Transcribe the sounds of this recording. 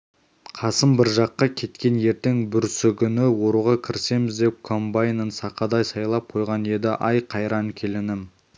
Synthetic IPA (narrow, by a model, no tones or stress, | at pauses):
qʰɑsəmbɪɾʒɑqːɑkʲʰe̞t̪kʲe̞nje̞ɾt̪ɪŋbʏɾsɪkʲʰʏnɪwo̞ɾuʁɑkʲʰɪɾse̞mɪzd̪e̞p̚kʰo̞mbajnənsɑqɑd̪ɑjsɑjlˠɑp̚qʰo̞jʁɑnje̞d̪ɪʔɑjqʰɑjɾɑnkʲʰe̞lɪnɪm